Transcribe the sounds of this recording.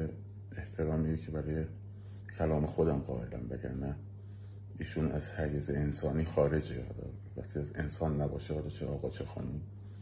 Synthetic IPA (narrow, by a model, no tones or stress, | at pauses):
e | eht̪ʰe̞ɾɒːmiːjecʰebæɾɒːje̞ | cʰælɒːme̞xod̪æmɢɒ̰ːʔe̞læ̰mbeɟæ̰ɾnæ | iːʃuːnæz̥hæjezeensɒːniːxɒːɾe̞d͡ʒeɒ̰ːd̪ɒ̰ː | væ̰xt̪ʰiæze̞nsɒːnːæbɒːʃeɒd̪ɒt͡ʃʰeʔɒːɣɒːt͡ʃʰexɒ̰ːnum